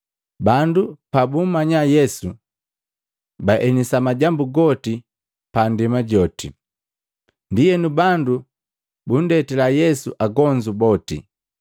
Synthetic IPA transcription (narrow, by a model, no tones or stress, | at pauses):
bandupabum̩maɲajɛsu | baʔɛnisamaɟambuɡɔti | pandimaɟɔtḭ | ndijɛnubandu | bun̩dɛtɛlajɛsuʔaɡɔɲd͡ʒubɔtḭ